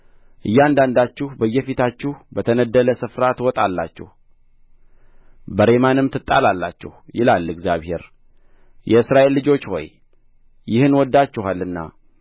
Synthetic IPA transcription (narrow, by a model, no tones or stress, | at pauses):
ʔɨjːɛand̪and̪at͡ʃːuhbəjːɛfit̪ʰat͡ʃːuhbət̪ʰənəd̪ːələsɨfɾat̪wɔt̪ʼalːat͡ʃːɛ̰h | bəɾe̞manɨmt̪ʰɨt̪ʼːa̰lalːat͡ʃːɛ̰hjɪlalːɨɡzjaβhe̞̰ɾ | jɛɨsɾaʔe̞lːɨd͡ʒo̞t͡ʃːho̞̰j | jɪhɨnwɔd̪ːat͡ʃːɪɦalːɨnːa̰